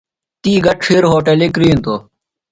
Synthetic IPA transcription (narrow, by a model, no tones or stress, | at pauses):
t̪iːɡɐʈfiɾɦoːʈelek̬ɾiːnt̪oː